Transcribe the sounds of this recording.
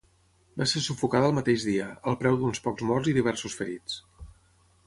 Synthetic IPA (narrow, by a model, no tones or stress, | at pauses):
basesufukaðəlˠmət̪eʒðiəəlˠpɾɛwd̪unspɔkzmɔrziðiβ̞ɛɾsusfəɾit͡s